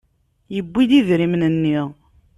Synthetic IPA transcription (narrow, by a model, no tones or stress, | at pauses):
jəbːid̪iðɾimnənːiʁ